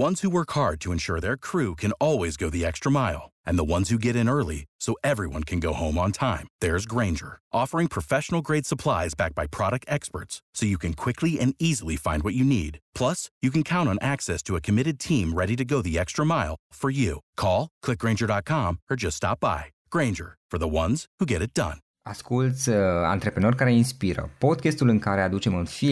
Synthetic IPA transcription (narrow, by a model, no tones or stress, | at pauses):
wʌ̃nz̥huwɜ˞khɑɹd̚tʰɨɨ̃nʃʊɹðə˞kʰɹ̥ʉkʰɨ̃nɔlˠwizɡoʊðiɛkstɹ̥əmaɪlˠʔɨ̃nðəwʌ̃nz̥hʉɡɛɾɨ̃nɜ˞lˠisoʊʔɛvɹiwʌ̃nkʰɨ̃nɡoʊhõʊ̃mə̃ntʰãɪ̃mðə˞zɡɹẽɪ̃nd͡ʒə̰˞ʔɔfə˞ɪ̃ŋpʰɹ̥əfɛʃn̩l̩ˠɡɹeɪd̥səpʰl̥aɪzbæk̚b̥aɪpʰɹ̥ɑɾɨk̚tɛkspə̰˞tsːoʊjɨkʰɨ̃nkʰw̥ɪkʰliɨ̃nizl̩ˠifãɪ̃ndwʌt͡ʃɨnḭd̥pʰl̥ʌsjɨkɨ̃n̩kʰãʊ̃ntn̩ʔæksɛstʰɨəkʰɨmɪɾɨd̚tʰĩmɹɛɾiɾɨɡoʊðiɛkstɹ̥əmaɪlˠfə˞jʉkʰɔlˠkʰl̥ɪk̚ɡɹẽɪ̃nd͡ʒə˞ɾɑt̚kʰɑ̃mə˞d͡ʒʌststɑ̰p̚b̥a̰ɪɡ̥ɹẽɪ̃nd͡ʒə̰˞fə˞ðəwʌ̃nz̥huɡɛɾɨt̚d̥ʌ̰̃n | askult̪sʲa̰nt̪ɾepɾenorʲkaɾeinspiɾə̰pod̪̚kʲest̪ulɨŋkaɾead̪ut͡ʃemɨnfi